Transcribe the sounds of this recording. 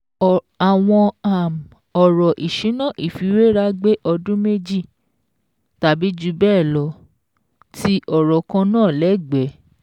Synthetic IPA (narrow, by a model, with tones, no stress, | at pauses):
a˨w̃ɔ̃˧a˨m̩˨ | ɔ˨ɾɔ˨ʔi˨ʃĩ˨˦nã˦˨ʔi˨fi˨˦we˦ɾa˦ɡ͡be˦ʔɔ˧dũ˦me˦d͡ʒi˦˨ | ta˨bi˨˦d͡ʒu˧˦bɛː˦˨lɔ˨˦ | ti˦ʔɔ˨ɾɔ˨kã˧nãː˦˨lɛ˨˦ɡ͡bɛ˨˦